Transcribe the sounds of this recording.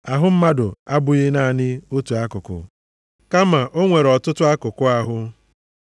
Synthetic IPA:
a˨ɦʊ˦m̩˦ma˦dʊ˨a˦bʊ˨ɣɪ˦na˦˨nɪ˦o˦tu˨a˦kʊ˨kʊ̰˨ | ka˦ma˨ʔo˦ŋʷe˨ɾɔ˨tʊ˦tʊ˦a˦kʊ˨kʊ˦a˦ɦʊ˦

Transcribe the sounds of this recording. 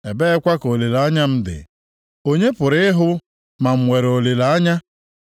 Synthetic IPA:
e˨be˦kʷa˦ko˨li˨la˦ɲa˦m̩˦dɪ̰˨ | o˦ɲe˦pʊ˨ɾɪ˦ɪ˦ɦʊ˦ | ma˨m̩˨we˨ɾo˨li˨la˨a˦ɲa˦

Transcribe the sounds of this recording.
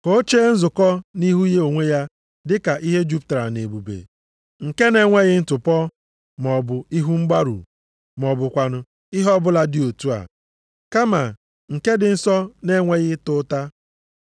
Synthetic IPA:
ko˦t͡ʃe˦n̩˦zʊ˨kɔ˦ni˦ɦu˦je˦o˨ŋʷe˦ja˦ | dɪ˦ka˨ʔi˦ɦe˦d͡ʒu˦p̚tɾa˨ne˨bu˨bḛ˨ | ŋ̩˨ke˦ne˦ŋʷe˦ɣɪ˦n̩˦tʊ˨pɔ˦ | m˨ɔ˨bʊ˨i˦ɦu˦ŋ͡m̩˦ɡ͡ba˦ɾṵ˨ | m˨ɔ˨bʊ˨kʷa˨nʊ˨ | i˦ɦɔ˦bʊ˦la˦dɪ˦˨o˨tu˦a̰˨ | ka˦ma˨ | ŋ̩˨ke˦dɪ˨n̩˦sɔ˦ne˦ŋʷe˦ɣɪ˦tʊ˦ta˦

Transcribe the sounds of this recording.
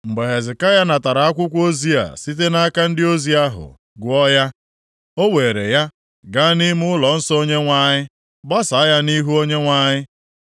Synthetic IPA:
ŋ͡m̩˨ɡ͡be˨ɦe˨zɪ˨ka˦ja˦na˨ta˨ɾa˨a˦kʷʊ˦kʷo˦zi˦a̰˨si˦t̬e˦na˦a˦ka˦n̩˦dɪ˦o˦zi˨˦a˦ɦʊ̰˨ | ɡʊ˨ɔ˦ja˦ | o˦we˨ɾe˨ja˦ | ɡa˦ni˦mʊ˦ʊ˦lɔ˨n̩˦sɔ˦o˦ɲe˦ŋʷa˨ɲɪ˦ | ba˦sa˨˦ja˦ni˦ɦu˦o˦ɲe˦ŋʷa˨ɲɪ˦

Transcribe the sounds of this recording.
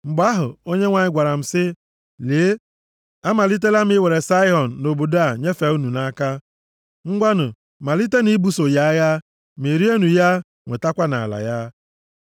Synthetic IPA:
m̩˨ɡ͡ba˦ɦʊ˨o˦ɲe˦ŋʷa˨ɲɪ˦ɡʷa˨ɾa˨m̩˨sɪ˦ | leː˨˦ | a˦ma˨li˦t̬e˦la˦m˦ɪ˦we˨ɾe˨sa˦ɪ˦ɦɔ˨n̩˨no˨bo˨da˦˨ɲe˦fe˨˦u˦nu˨na˦ka˦ | ŋ̩˦ɡʷa˦nʊ˨ | ma˨li˦te˦ni˦bu˦so˨ja˦ja˦ | me˨ɾi˦e˦nu˨ja˦ | ŋʷe˨ta˦kʷa˦na̰˨a̰˨la̰˨ja˦

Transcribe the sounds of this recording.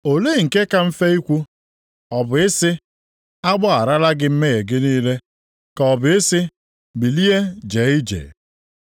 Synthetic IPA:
o˨le˦˨ŋ̩˨ke˦ka˦m̩˦fe˦i˦kʷu˦ | ɔ˨bʊ˨ɪ˦sɪ˦ | a˦ɡ͡bɔ˦a˨ɾa˦la˦ɡɪ˦m̩˦me˦ɣe˨ɡɪ˦niː˦le˦ | ka˨ɔ˨bʊ˨ɪ˦sɪ˦ | bi˨li˦e˦d͡ʒe˨˦i˦d͡ʒḛ˨

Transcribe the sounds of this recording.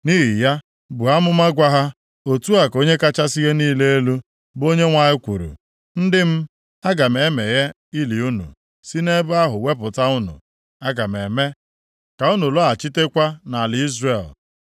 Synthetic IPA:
ni˦ɦi˨ja˦ | bʊ˨a˦mʊ˦ma˦ɡʷa˦ɦa˦ | o˨tu˦a˨ko˦ɲe˦ka˦t͡ʃa˦si˦ɣe˦niː˦le˦e˦lu˦ | bo˦ɲe˦ŋʷa˨ɲɪ˦kʷṵ˨ɾṵ˨ | n̩˦dɪ˦m̩˦ | a˦ɡa˨me˨˦me˨ɣe˦ | i˦li˨u˦nṵ˨ | si˦ne˦bʊ˦a˦ɦʊ˨we˦pʊ˨ta˦ʊ˦nṵ˨ | a˦ɡa˨me˨me˦ | ka˨u˦nu˨lɔ˦a˨t͡ʃɪ˦te˦kʷa˦na˨lɪ˨i˦zre˨l

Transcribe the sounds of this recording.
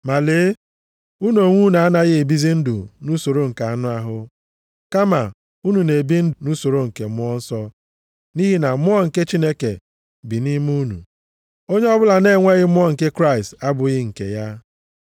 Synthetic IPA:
ma˨le˨˦ | u˦n˦o˨ŋʷu˦na˨a˦na˦ɣɪ˦e˨bi˦zi˦n̩˦dʊ˨nu˦so˨ɾo˦ŋ̩˨ka˨a˨nʊ˦a˨ɦʊ˦ | ka˦ma˨ | u˦nu˨ne˨bi˦n̩˦nu˦so˨ɾo˦ŋ̩˨ke˨mʊ˦ɔ˦n̩˦sɔ˦ | ni˦ɦi˦na˨mʊ˦ɔ˦ŋ̩˨ke˦t͡ʃi˦ne˦kḛ˨ | bi˨ni˦mu˦nṵ˨ | o˦ɲe˦ɔ˦bʊ˦la˨ne˦˨ŋʷe˦ɣɪ˦mʊ˦ɔ˦ŋ̩˨ke˦kɾa˦˨ɪi˨sta˦bʊ˨ɣɪ˦ŋ̩˨kḛ˨ja˦

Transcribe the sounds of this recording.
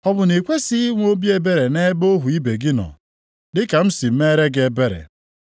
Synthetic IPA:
ɔ˦bʊ˨ne˨kʷe˦si˦i˦ŋʷ˦o˦bi˦e˦be˦ɾe˨ne˦bo˦ɦu˨i˦be˨ɡɪ˦nɔ̰˨ | dɪ˦ka˨m̩˦si˨m̩˦me˦ɾe˦ɡe˦˨be˦ɾḛ˨

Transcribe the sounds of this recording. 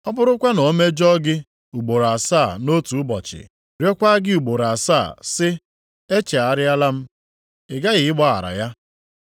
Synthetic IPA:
ɔ˦bʊ˦ɾʊ˦kʷa˦nɔ˨˦me˦d͡ʒɔ˦ɡɪ˦ | u˨ɡ͡bo˨ɾa˨saː˦˨no˦tu˨ʊ˦bɔ˨t͡ʃɪ̰˨ | ɾjɔ˦kʷa˦ɡɪ˦u˨ɡ͡bo˨ɾa˨sa˦˨sɪ˦ | e˦t͡ʃe˨a˨ɾɪ˦a˦la˦m̩˦ | ɪ˨ɡa˦ɣɪ˨ɪ˦ɡ͡bɔ˦a̰˨ɾa̰˨ja˦

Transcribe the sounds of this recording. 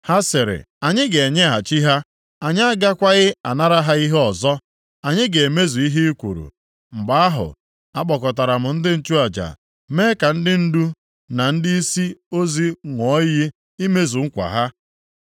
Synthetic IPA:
ha˦sɪ˨ɾɪ̰˨ | a˨ɲɪ˦ɡe˨ɲe˦ɦa˨t͡ʃi˦ɦa˦ | a˨ɲ˦a˦ɡa˦kʷa˦ɣɪ˦a˨na˦ɾa˦ɦa˦i˦ɦɔ˨zɔ˦ | a˨ɲɪ˦ɡe˨me˦zu˨i˦ɦi˦kʷṵ˨ɾṵ˨ | ŋ͡m̩˨ɡ͡ba˨˦a˦ɦʊ̰˨ | a˦k͡pɔ˨kɔ˨ta˨ɾa˨m̩˨n̩˦dɪ˦n̩˨t͡ʃu˦a˨d͡ʒa̰˨ | me˦ka˨n̩˦dɪ˦n̩˦du˦ | na˨n̩˦di˦i˦si˦o˦zi˦ŋʷɔ˨˦ji˦ | i˦me˦zu˨ŋ̩˦kʷa̰˨ɦa˦

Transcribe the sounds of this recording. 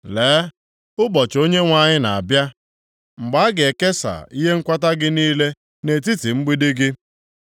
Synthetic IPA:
leː˨˦ | ʊ˦bɔ˨t͡ʃo˦ɲe˦ŋʷa˦ɲɪ˦na˨a˨bja˦ | ŋ͡m̩˨ɡ͡ba˨˦ɡe˨ke˦sa̰˨i˦ɦe˦ŋ̩˦kʷa˦ta˦ɡɪ˦niː˦le˦ | ne˨t̬i˦ti˨ŋ͡m̩˦ɡ͡bi˦dɪ˦ɡɪ˦

